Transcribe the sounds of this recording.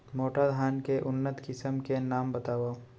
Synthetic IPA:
moːʈad̪ʱaːnkeʔʊnːət̪kɪsəmkenaːmbɐt̪aːʋaː

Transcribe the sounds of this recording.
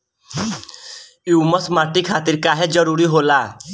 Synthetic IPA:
uːməsmaːʈikʰaːt̪ɪɾkaːɦed͡ʒəɾuːɾiɦoːlaː

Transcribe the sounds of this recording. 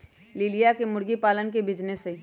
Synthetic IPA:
lɪlijakemʊɽɡipaːlənkebʱɪd͡ʒnese

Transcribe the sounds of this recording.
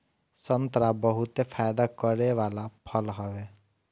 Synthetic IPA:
sənt̪ɾabɔɦut̪epʰaːjd̪akəɾeʋaːlapʰʌlɦɔʋe

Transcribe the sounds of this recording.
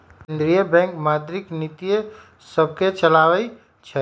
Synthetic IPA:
kend̪ɾijəbɛ̃ŋkmad̪ɾiknit̪ije | səb̚ʱket͡ʃəlawɛ | t͡ʃʰɛ

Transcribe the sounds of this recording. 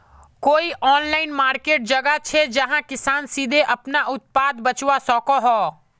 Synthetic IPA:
koːiʔɔːnlaːɪnmaːɾkeːʈ̚d͡ʒɐɡat͡ʃʰed͡ʒɐɦãkɪsaːnsiːd̪ʱeʔɐpnaʔʊt̪̚paːd̪bɐt͡ʃwasɔːkoɦɔː

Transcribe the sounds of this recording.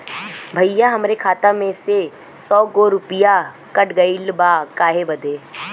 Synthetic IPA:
bʱəjãɦɐmɾekʰaːt̪amẽse | sɔːɡoɾʊpɪja | kəʈɡəilbakaːɦebɐd̪eː

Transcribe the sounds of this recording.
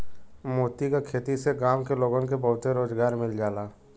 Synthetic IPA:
moːt̪ikakʰeːt̪iseɡaːmkeloːɡənkebəɦʊt̪eɾoːzɡaːɾmɪld͡ʒaːlaː

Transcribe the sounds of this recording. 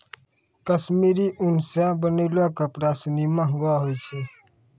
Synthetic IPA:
kəsmiɾiʔunsãbənəɪlakapɾasnimãɦɡaɦojt͡ʃʰɛ

